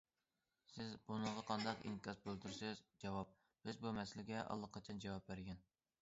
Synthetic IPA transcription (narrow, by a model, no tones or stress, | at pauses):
sɪzbunɨɴʁɑqʰɑnd̪ɑqḭŋkʲʰɑsbølt̪yɾsɪzd͡ʒɑwɑp̚ | b̥ɪzbumɛsɪlɪɡʲɛʔɑ̰lˠːəqʰːɑt͡ʃʰɑnd͡ʒɑwɑp̚bæɾɡʲɛn